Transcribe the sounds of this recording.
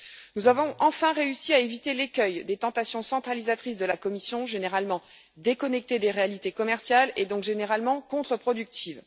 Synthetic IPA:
nuzavɔ̃ʔɑ̃fɛ̃ʁeysiaevit̪elekʲœjd̪et̪ɑ̃t̪asjɔ̃sɑ̃t̪χalizat̪χis̬d̪əlakɔmisjɔ̃ʒeneʁalmɑ̃ | d̪ekɔnɛk̚t̪ed̪eʁealit̪ekɔmɛʁsjaled̪ɔ̃kʒeneʁalmɑ̃kɔ̃t̪χəpχɔd̪yk̚t̪ʰiːv

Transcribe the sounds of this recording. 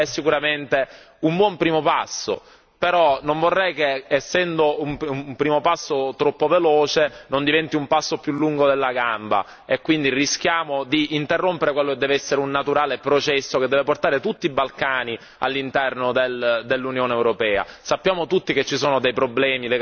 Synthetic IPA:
ɛsːikuɾament̪e | umbwɔmpɾiːmopasːo̰ | peɾɔnoɱvorːɛjkeːsːɛnd̪oumummpɾiːmopasːot̪ɾɔpːoveloːt͡ʃenond̪ivɛnt̪iumpasːopjulːuŋɡod̪elːaɡamba̰ | ekːwind̪irisk̟jaːmod̪iint̪erːompeɾekwelːoked̪ɛːvɛsːeɾeunːat̪uɾaːlepɾot͡ʃɛsːoked̪ːɛːveport̪aːɾet̪ut̪ːiibalkaːni | a̰lːint̪ɛrnod̪eld̪elːunjoːneːwɾopɛːa̰sapːjaːmot̪ut̪ːiket͡ʃːisoːnod̪ejpɾoblɛːmile

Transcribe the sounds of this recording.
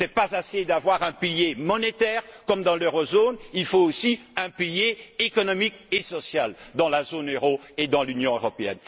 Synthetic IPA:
sɛpazased̪avwaʁɛ̃piljemɔnet̪ɛːʁkɔmd̪ɑ̃løʁɔzonilfoosiɛ̃piljeekɔnɔmikesɔsjald̪ɑ̃lazonøʁo | ed̪ɑ̃lynjɔ̃øʁɔpeɛ̰n

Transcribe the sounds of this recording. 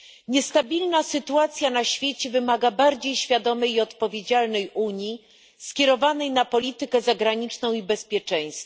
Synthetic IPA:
ɲɛst̪abʲilnasɘt̪uat̪sʲjanaɕfʲjet͡ɕɛvɘmaɡabaɾd͡ʑejɕfʲjad̪ɔmɛjːɔt̪pɔvʲjed͡ʑalnɛjuɲji | skʲjɛɾɔvanɛjnapɔlʲit̪ɘkɛzaɡɾaɲit͡ʂnɔ̃w̃ibɛspʲjɛt͡ʂɛ̃j̃st̪f

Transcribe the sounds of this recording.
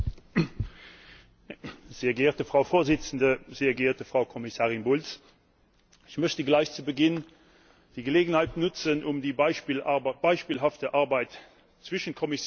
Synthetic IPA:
z̥eːɐɡəeːɐtəfʁ̥aʊfoːɐzɪt͡sən̩dəz̥eːɐɡəeːɐtəfʁ̥aʊkʰɔmisaːʁɪnbʊls | ɪçmœçtəɡlaɪçt͡subəɡɪn | d̥iːɡəleːɡənhaɪtnʊt͡sənʔʊmdiːbaɪʃpiːlb̥aɪʃpiːlɦaftəʔaʁbaɪt | t͡sv̥ɪʃənkʰɔmis

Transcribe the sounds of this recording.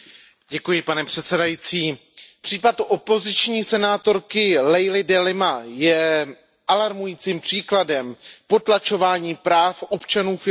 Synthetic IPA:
ɟɛkujɪpanɛpr̥ɛt̪sɛdajit͡siː | pr̥iːpat̪uʔo̞po̞zɪt͡ʃɲiːsɛnaːt̪o̞ɾkɪlɛjlɪdɛlɪmajɛ | ʔalaɾmujiːt͡siːmpr̥iːkladɛmpo̞t̪lat͡ʃo̞vaːɲiːpɾaːfʔo̞pt͡ʃanuːfɪ

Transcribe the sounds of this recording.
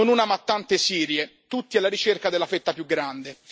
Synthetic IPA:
onuːnamat̪ːant̪esiːɾjet̪ut̪ːialːaɾit͡ʃerkad̪ɪlafet̪ːapjuɡɾand̪e

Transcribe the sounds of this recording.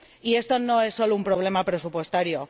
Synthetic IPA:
ie̞st̪o̞no̞e̞sːo̞loumpɾo̞β̞le̞mapɾe̞supwe̞st̪aɾjo̞

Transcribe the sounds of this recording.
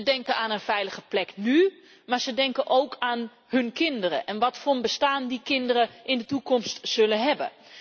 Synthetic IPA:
ədɛŋkənaːnənfɛjləɣəplɛkny | maːɹz̥ədɛŋkəʔowkʰaːn | hɵnkɪndəɾə̰ʔɛnʋɔtfɔnbəstaːndikɪndərəɪndətukɔmstsɵlənɦɛbə̰

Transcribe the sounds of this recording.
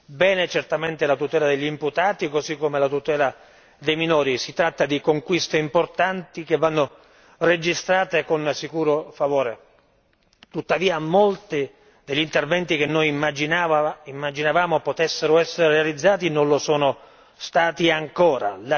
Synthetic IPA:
bɛːnet͡ʃert̪ament̪elat̪ut̪ɛːlad̪eʎːimput̪aːt̪ikozikːomelat̪ut̪ɛːla | d̪ejminɔːɾisit̪ɾat̪ːad̪ikoŋkwist̪eimport̪ant̪ik̟evːanːo | red͡ʒist̪ɾaːt̪ekonsikuːɾofavoːɾe | t̪ut̪ːaviːamolt̪i | d̪eʎːint̪ervɛnt̪ik̟enːojmːad͡ʒinaimːad͡ʒinavaːmopot̪ɛsːeɾoɛsːeɾeɾealid̪zːaːt̪inõnlosɔːno | st̪aːt̪iaŋkɔːɾa̰l

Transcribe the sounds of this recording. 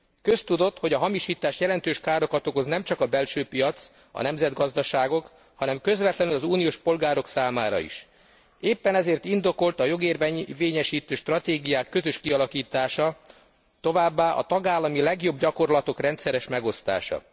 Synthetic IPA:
køst̪ud̪o̞t̪ho̞ɟɒɦɒmiʃiːt̪aːʃjɛlɛnt̪øːʃkaːɾokɒt̪o̞ko̞znɛmt͡ʃɒkɒbɛlʃøːpijɒt̪s | ɒ̰nɛmzɛd̪ɡɒzd̪ɒʃaːɡo̞k | hɒnɛmkø̞zvɛt̪lɛnylɒzuːnijoːʃpo̞lɡaːɾo̞ksaːmaːɾɒ̰ḭʃ | eːpːɛnɛzeːrt̪ind̪o̞ko̞lt̪ɒjo̞ɡeːrveːɲɛʃiːt̪øːʃt̪rɒt̪eːɡijaːkːø̞zø̞ʃkiɒlɒkiːt̪aːʃɒ | t̪o̞vaːbːaːʔɒ̰t̪ɒɡaːlːɒmilɛɡjo̞bɟɒko̞rlɒt̪o̞krɛnt̪sɛɾɛʃmɛɡo̞st̪a̰ːʃɒ̰

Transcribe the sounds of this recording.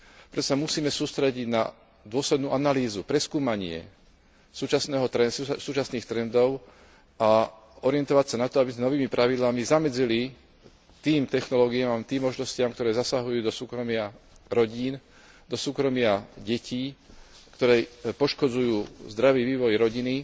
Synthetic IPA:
pɾɛt̪ɔ̥samusiːmɛsuːst̪ɾɛɟiɟna̰ | d̪ʊɔslɛd̪nuːʔanaliːzupɾɛskuːmaɲɪɛ̰ | suːt͡ʃasnɛːɦɔt̪ɾɛsuːt͡ʃasniːxt̪ɾɛnd̪ɔʊ | a | ɔɾɪɛnt̪ɔʋacsanat̪ɔabizsmɛnɔʋiːmipɾʔaʋid̪lamizamɛd͡zili | t̪iːmt̪ɛxnɔlɔːɡiamamt̪iːmːɔʒnɔscɪamkt̪ɔɾɛːzasaɦujuːd̪ɔsuːkɾɔmɪaɾɔɟiːn | d̪ɔsuːkɾɔmɪaɟɛcʰiː | kt̪ɔɾɛːpɔʃkɔd͡zujuːzd̪ɾaʋiːʋiːʋɔjɾɔɟini

